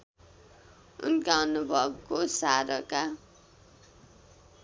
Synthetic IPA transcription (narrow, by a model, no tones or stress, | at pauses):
ṵnɡawnubʱʌbkosaɾʌka